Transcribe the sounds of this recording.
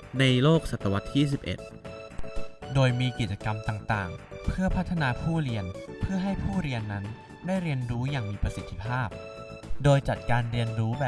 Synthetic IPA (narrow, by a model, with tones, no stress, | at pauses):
na˧jloː˥˩k̚sa˨˩t̪ːa˧wa˦˥t̪ʰːjiː˥˩s̬i˨˩p̚ʔḛ˨˩t̪̚ | doː˧jmiː˧ki˨˩t͡ɕa˧ka˧mt̪aː˨˩ŋt̪aː˨˩ŋpʰɯ˥˩ɐpʰa˦˥t̪ʰːa˧naː˧pʰuː˥˩ɾi˧ənpʰɯ˥˩ɐɦa˥˩jpʰuː˥˩ɾi˧ənːa˦˥n | daː˥˩jɾi˧ənɾuː˦˥jaː˨˩ŋmiː˧pɾa˧si˨˩t̪ʰːi˦˧˥pʰaː˥˩p̚ | doː˧jt͡ɕa˨˩t̪̚kaː˧nɾi˧ənɾuː˦˥bɛː˨